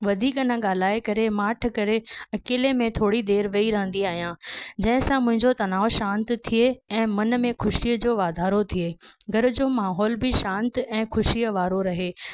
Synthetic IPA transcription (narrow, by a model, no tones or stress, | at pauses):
ʋɐd̪ʱiːkɐnãɠaːl̤aːekɐɾemaːʈ̆ʰkɐɾeɐkeːlemẽt̪ʰoːɽid̪eːɾʋɐiɾɐɦə̃nd̪iaːɦijãːd͡ʑɐ̃ɦɪ̃sãmʊ̃ɦɪ̃ɲd͡ʑot̪ɐnaːoʃãːnt̪t̪ʰieɛ̃ːmɐnmẽxʊʃiəd͡ʑoːʋaːd̪ʱaːɾot̪ʰieːɡʱɐɾʊd͡ʑoːmaːɦɔːlbʱɪʃãːnt̪ɛ̃ːxʊʃijəʋaːɾoɾɐɦeː